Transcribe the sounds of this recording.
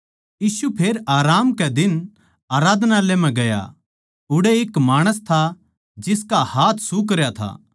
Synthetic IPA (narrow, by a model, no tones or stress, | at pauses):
jiːsupʰeːɾaːɾaːmkɛd̪ɪn | aːɾaːd̪ʱnalem̤ɛ̃ɡɐja̰ | ʊɽeɪkmaːɽ̃əst̪ʰa | d͡ʒɪskahaːt̪ʰsuk̬ɐɾjat̪ʰa̰ː